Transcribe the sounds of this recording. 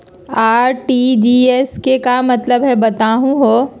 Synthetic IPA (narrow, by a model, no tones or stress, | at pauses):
aːɾʈiːd͡ʒiɛskekamɐt̪ləbɦɛbɐt̪aːɦũɦoː